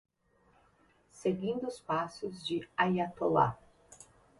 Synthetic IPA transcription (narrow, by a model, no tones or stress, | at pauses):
seɡĩnd̪ʊʊspasʊzd͡ʒɪajat̪ola̰